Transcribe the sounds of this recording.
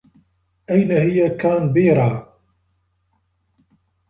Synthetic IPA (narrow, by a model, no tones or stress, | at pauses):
ʔajnahɪjakaːnbeːɾˤaː